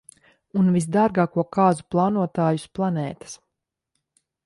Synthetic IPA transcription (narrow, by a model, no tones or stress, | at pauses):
unvis̬d̪aːɾɡaːkuɔkaːzuplˠɑːnuɔt̪aːjusplˠanɛːt̪ḁs